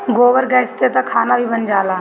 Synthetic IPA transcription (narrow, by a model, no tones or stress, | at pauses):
ɡoːʋəɾɡɛːst̪et̪akʰaːnabʱibənd͡ʒaːlaː